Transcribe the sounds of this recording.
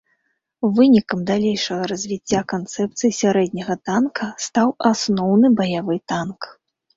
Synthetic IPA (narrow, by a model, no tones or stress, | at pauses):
vɨnʲikɐmd̪alʲejʂɐɣɐɾɐzʲvʲit͡sʲːakant̪sɛp̚t̪sɨjisʲaɾɛd̪̚ʲnʲɐɣɐt̪ankʰɐst̪awasnɔwnɨbɐjavɨt̪ank